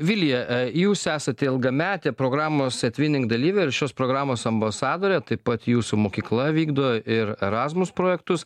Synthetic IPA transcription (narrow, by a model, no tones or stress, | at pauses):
ʋʲɪlʲjɛjuːsæːsɐt̪ʲɛɪlˠɡɐmʲæːt̪ʲɛpɾoːɡɾɑːmoːsʲɛt̪ʲʋʲɪnʲɪŋɡd̪ɐlʲiːʋʲɛɪɾʃʲoːspɾoːɡɾɑːmoːsɐmbɐsɑːd̪oːɾʲɛt̪ɐɪppɐt̪juːsumoːkʲiːklˠɐʋʲiːɡd̪oːʔɪɾɛɾɑːzmʊspɾoːjɛkt̪ʊs